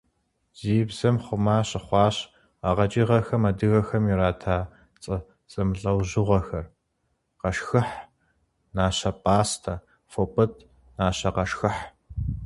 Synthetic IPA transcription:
z̥iːbz̥ɐmχʷʊmaːɕʼɪχʷɑːɕ | aʁɐt͡ʃʼiːʁɐxɐmɐdɨɣɐxɐmiɾaːtʰaː | t͡sʼɐ | t͡sʼɐmɨɬʼɐwʑɨʁʷɐxɐr | qɐʃxɨħ | naːɕɐpʼaːstʰa | fopʼɨtʰ | naːɕɐqɐʃxɨħ

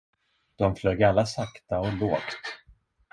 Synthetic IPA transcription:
d̪̥ɔmfløːɡalːasakt̪aɔloːkt̪

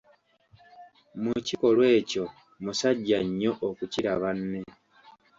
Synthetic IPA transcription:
muciko̞lwe̞ːco̞ | musaɟːaɲːo̞ʔokuciɾaβanːe

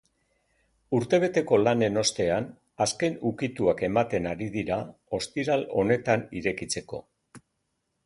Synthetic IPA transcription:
uɾt̪e̞β̞e̞t̪e̞ko̞lane̞no̞st̪e̞an | aske̞nukit̪uake̞mat̪e̞naɾiðiɾao̞st̪iɾalo̞ne̞t̪aniɾe̞kit͡se̞ko̞̰

